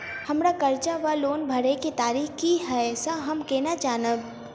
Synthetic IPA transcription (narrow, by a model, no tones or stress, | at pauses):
hɐmɾakɐɾt͡ʃaʋaloːnbʱɐɾekit̪aːɾiːxkiɦɛsəɦɐmkɛːnad͡ʒaːnəb